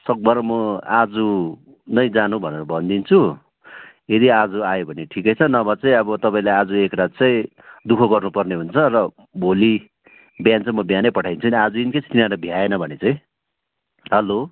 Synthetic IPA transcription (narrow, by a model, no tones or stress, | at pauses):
sʌk̚bʌɾʌmʌad͡zu | nʌjd͡zanubʱʌneɾʌbʱʌnd̪int͡sʰu | ed̪iad͡zuajobʱʌneʈʰikʌjt͡sʰʌnʌbʌt͡sʌj̃ʌbʌt̪ʌpaĩlaad͡zuekrat̪̚t͡sʌĩ | d̪ukʰʌɡʌrnupʌrneɦunt͡sʰʌrʌ | bʱoli | bjant͡sʌ̃mʌbjanʌjpʌʈʰajnt͡sʰuniad͡zuinket͡sʰit̪inaɾʌbʱjaenʌbʱʌnet͡sʌ̃ĩ | ɦʌlo